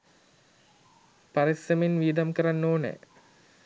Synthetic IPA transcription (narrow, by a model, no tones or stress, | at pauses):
paɾisɐmenʋiːd̪amkəɾanːoːnə̰